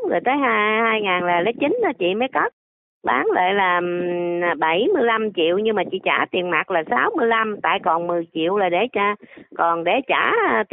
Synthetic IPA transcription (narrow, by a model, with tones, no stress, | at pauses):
ə˨˩jt̪əː˨˦jɦaː˧haː˧jŋaː˨˩nlaː˨˩lə˨˦jt͡ɕi˨˦n̟ʔaː˨˦t͡ɕḭ˧˨məː˨˦jkə˦˥t̚ | ɓaː˨˦ŋla̰ː˧˨jlaː˨˩˨ | ɓə˧˩jmɨ˧jla˧mt͡ɕḭ˧˨əwɲɨ˧maː˨˩t͡ɕḭ˧˨t͡ɕaː˧˩t̪i˨˩ənma˨˩t̚laː˨˩saː˨˦wmɨ˧əjla˧mt̪a̰ː˧˨jkɔ˨˩nmɨ˨˩əjt͡ɕḭ˧˨əwlaː˨˩ɗe˧˩t͡ɕaː˧kɔ˨˩nɗe˧˩t͡ɕaː˧˩˧t̪